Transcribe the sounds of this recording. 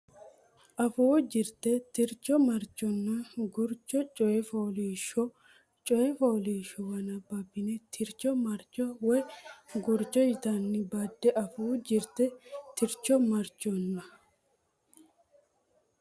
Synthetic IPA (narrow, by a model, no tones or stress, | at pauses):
ʔɐfuːd͡ʒɪɾt̪ɛt̪ɪɾt͡ʃːɔmɐɾt͡ʃʼːɔnːɐɡʊɾt͡ʃːɔt͡ʃʼɔɛfoːliːʃɔ | t͡ʃʼɔjɛfɔːliːʃɔwɐnɐbɐbːɪnɛt̪ʰɪɾt͡ʃːɔmɐɾt͡ʃʼːɔwɔjɡʊɾt͡ʃʼːɔjɪt̪ɐnːɪbɐd̪ːɛʔɐfuːd͡ʒɪɾt̪ɛt̪ɪɾt͡ʃːɔmɐɾt͡ʃːɔnːɐ